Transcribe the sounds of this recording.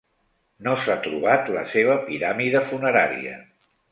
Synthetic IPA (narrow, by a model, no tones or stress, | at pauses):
nosat̪ɾuβ̞at̪lə̰seβ̞əpiɾamiðəfunəɾaɾḭə̰